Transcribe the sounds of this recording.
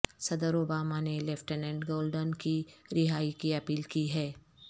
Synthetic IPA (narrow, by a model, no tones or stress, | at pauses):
sɐd̪əɾoːbaːmanelɛːfʈənɛ̃ːɳɖɡoːlɖənkiɾɪɦaːikiɐpiːlkiɦɛː